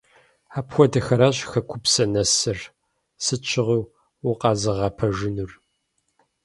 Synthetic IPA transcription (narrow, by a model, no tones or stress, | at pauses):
aːpxʷɔdɐxɐɾaːɕxɐkʷʰʊpsɐnɐsɨr | sɨt͡ʃʰɪʁiw | wʊqɑːzɨʁɑːpʰɐʒɪnur